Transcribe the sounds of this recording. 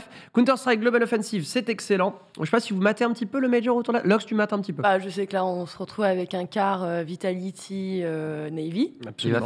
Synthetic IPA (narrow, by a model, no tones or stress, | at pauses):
f | kwĩt̪ɔʁst̪ʁaɡlɔbɛnɔfɛnsivsɛt̪ɛkselɑ̃ | ɔ̰ʃepasivumat̪eɛ̃pət̪ipøləmɛʒɔ̃ʁot̪uʁd̪lalɔksd̪ymat̪ɛ̃pət̪ipøbaʒəsɛklaɔ̃səʁət̪χuvavɛkɛ̃kaʁøvit̪alit̪ʰiønɛjviapsoy̰m̰̃